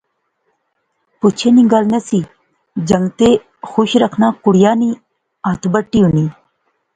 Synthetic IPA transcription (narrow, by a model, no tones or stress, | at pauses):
put͡ɕʰeniɡaːlnɐsi | d͡ʑɐŋɡt̪e | xuɕɾɐkʰnakuɽjaːni | at̪ʰbəʈːiuni